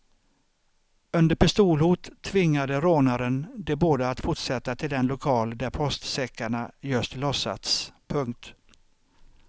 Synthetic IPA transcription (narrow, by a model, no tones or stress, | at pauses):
ɵnd̪əɾpɪst̪uːlhuːt̪ʰːvɪŋːad̪əɾoːnaɾənd̪ɛboːd̪əat̪fʊʈʂɛt̪ːat̪ʰɪld̪ɛnlʊkʰɑːld̪æɾpʰɔst̪sɛkːaɳajɵst̪lɔsːa̰t̪spʰɵŋk̚t̪